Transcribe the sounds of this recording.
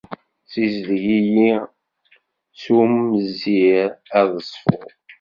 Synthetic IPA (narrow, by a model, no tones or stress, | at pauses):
sizlʝiji | sumːəziɾæðəsˤfʊ̰ʁ